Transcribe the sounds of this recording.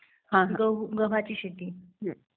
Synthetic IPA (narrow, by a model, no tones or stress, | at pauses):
ɦãɡəʋ̤at͡ɕiːɕet̪iː